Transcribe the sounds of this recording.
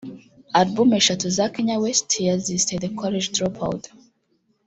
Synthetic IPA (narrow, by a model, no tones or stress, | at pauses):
atbumeʃatuzakiɲawɛstʰiazistedekʰɔled͡ʒtɹɔpʰa̰wd